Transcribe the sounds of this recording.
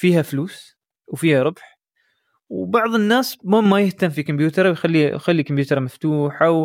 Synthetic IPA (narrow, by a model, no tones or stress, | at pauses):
fiːhafluːs | wfiːhaɾˤʊbħ | wbɑʕðˤɨnːaːsmʊmːajɪht̪amːfikʊmbjuːt̪ɑɾˤwjxalːijxalːikʊmbjuːt̪ɑɾˤmaft̪uːħaw